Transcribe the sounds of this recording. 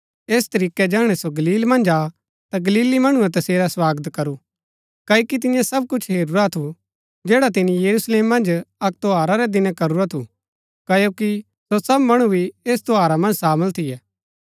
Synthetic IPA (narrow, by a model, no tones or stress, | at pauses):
eːst̪ɐɾiːkɛd͡ʒaːɽ̃ɛsoɡɐliːlmɐ̃nd͡ʒa | t̪aɡɐliːlimɐɽ̃uɾɛt̪̬ɐseːɾaswaːɡət̪kɐɾu | kɐokit̪̬ɪjãsɐb̚kʊt͡ʃʰɦeːɾuɾat̪ʰu | d͡ʒeːɽat̪ɪnijɐɾusleːmːɐ̃nd͡ʒɐk̚t̪oɦaːɾaɾɛd̪ɪnɛ̃kɐɾuɾat̪ʰu | kɐjoːki | sosɐbmɐɽ̃ubʱieːst̪oaːɾamɐ̃nd͡ʒsaːməlt̪ʰɪjɛː